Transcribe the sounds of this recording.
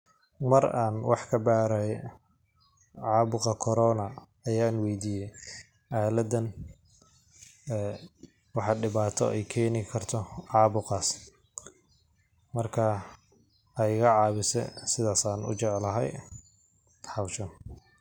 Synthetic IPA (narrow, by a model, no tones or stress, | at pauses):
mɐɾaːnwʔɑħkʰɐbaːɾa | ʕɑːbʊqɐkʰɔɾɔːnɐ | ɐjaːnwɛjd̪iːjɛj | ʔaːlɐd̪ɐn | wɑħɑɖɪβaːt̪ʰɔ̰ɛjkʰɛːnɪkʰɐrt̪ʰɔʕɑːβʊqɑːs | mɐrkʰa | ɐjɪɣɐʕɑːβɪsɛ̰sɪðaːsaːnʊ̰t͡ʃɛʕlɐɦɛ̰j | ħɑwʃɐn